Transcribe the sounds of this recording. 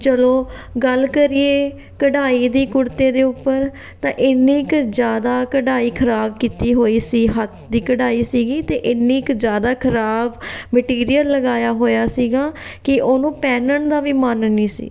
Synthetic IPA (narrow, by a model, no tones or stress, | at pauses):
t͡ʃəloːɡəlkəɾieː | kəɖaːiːd̪iːkʊɾt̪eːd̪eːʊpːəɾ | t̪ãːʔɪnːĩːɪkd͡ʒjaːd̪aːkəɖaːiːkʰəɾaːbkiːt̪iːɦoːiːsiːɦət̪̚ʰd̪iːkəɽaːiːsiːɡiːt̪eːʔɪnːĩːɪkd͡ʒjaːd̪aːkʰəɾaːbməʈiːɾijəlːəɡaːjaːɦoːjaːsiːɡaːkɪʔoːnũːpɛːnəɳd̪aːʋiːmənniːsḭː